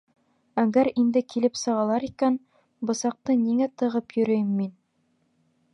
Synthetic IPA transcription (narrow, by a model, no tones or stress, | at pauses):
æɡæɾind̪ɘkilɘpsɤ̆ʁɑlˠɑɾikæn | bɤ̆sɑq̚t̪ɤniŋæt̪ɤ̆ʁɤpjɵ̆ɾɵ̆jɘmːin